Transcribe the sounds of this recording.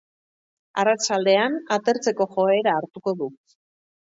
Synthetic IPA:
arat͡ʃald̪e̞anat̪e̞ɾt͡se̞ko̞xo̞e̞ɾaːɾt̪uko̞ðu

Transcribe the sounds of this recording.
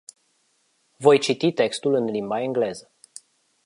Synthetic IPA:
vo̞jt͡ʃit̪it̪e̞kst̪ulɨnlimbaiŋɡle̞zə

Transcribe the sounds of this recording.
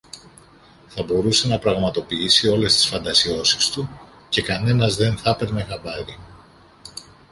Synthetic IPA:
θɐbo̞ɾuse̞nɐpɾɐɣmɐt̪o̞piisio̞le̞st̪i̥sfɐnd̪ɐsio̞sist̪u | ce̞kɐne̞nɐzðe̞nθɐpe̞ɾme̞xɐbɐɾi

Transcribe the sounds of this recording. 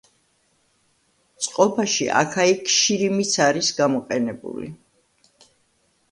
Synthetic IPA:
t̪sʼqʼɔpʰaʃḭʔa̰kʰaikʰʃiɾimit̪sʰaɾisɡamɔqʼɛnɛbṵlḭ

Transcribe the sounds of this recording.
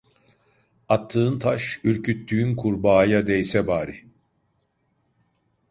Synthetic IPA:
at̪ʰːɯːnt̪ʰaʃyɾcʰyt̪ːyynkʰuɾbaːjad̪ɛjsɛbaːɾi

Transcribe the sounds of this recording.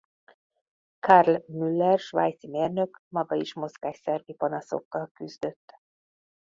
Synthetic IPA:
karlmylːɛrʃva̰jt̪simeːrnø̞kmɒɡɒiʃmo̞zɡaːʃsɛrvipɒnɒso̞̰kːɒlkyzd̪ø̞t̪ː

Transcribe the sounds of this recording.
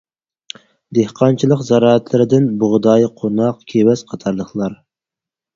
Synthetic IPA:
d̪ehqʰɑnt͡ʃʰilˠəqzɑɾɑːɛt̪ʰlɪɾɪd̪ɪnboʁd̪ɑːjqʰonɑqkʲʰewɛz̥qʰɑt̪ʰɑɾlˠəχlˠɑɾ

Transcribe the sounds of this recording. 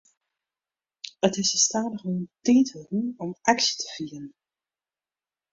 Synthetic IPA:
ətɪsəstaːdəχontiːtʰəruɔmaksə̥tʰə̥v̥iːərn

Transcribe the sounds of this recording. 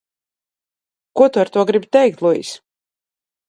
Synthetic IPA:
kuɔt̪uaɾt̪uɔɡɾibʲt̪ɛjk̚t̪lˠuḭs

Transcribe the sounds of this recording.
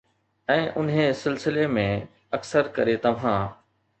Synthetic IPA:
ɛ̃ːʔʊnɦẽsɪlsɪlemẽ | ɐksəɾkɐɾet̪ɐʋ̤ãː

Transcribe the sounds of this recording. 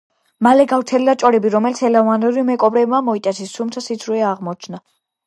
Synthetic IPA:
malɛɡaft̪sʰɛlilat͡ʃʼɔɾɛbiɾɔmɛlit̪sʰɛlavanuɾimɛkʼɔbɾɛbmamɔit̪ʼɛsʰist̪ʰumt̪sʰasid̪sʰɾuɛaʁmɔt͡ʃʰna

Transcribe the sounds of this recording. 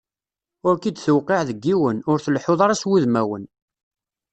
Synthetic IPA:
ʊɾkid̪θəwqeʕðəɡːiwənʊɾθəlħoðˤɑɾɑswuðmæwə̰n

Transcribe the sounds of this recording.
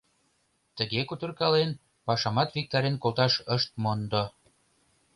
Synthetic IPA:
t̪əɣekut̪ə̆rkɑlen | pɑʃɑmɑt̪vik̚t̪ɑɾenkolt̪ɑʃəʃt̪̚mond̪o

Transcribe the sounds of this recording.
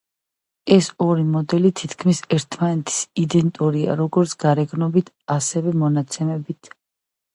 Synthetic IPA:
ɛsɔɾimɔd̪ɛlit̪ʰit̪ʰkʰmisɛɾt̪ʰmanɛt̪ʰi̥sid̪ɛnt̪ʼuɾia̰ɾɔɡɔɾt̪sʰɡ̥aɾɛɡnɔbit̪ʰasɛvɛmɔnat̪sʰɛmɛbit̪ʰ

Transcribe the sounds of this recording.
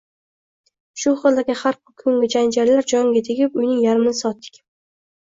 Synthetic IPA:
ʃʊχɨlˠd̪aɡʲɪhaɾqʊkʰɵŋɡʲɪd͡ʒand͡ʒaɾlaɾd͡ʒɒŋɡʲat̪ʰeɡʲɪpʊjnɪŋjaɾmnɪsɒt̪ːɪ̥kʲ

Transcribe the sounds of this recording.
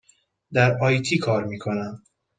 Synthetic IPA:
d̪æɾɒːjt̪ʰiːkʰɒːɾmiːkʰo̞næm

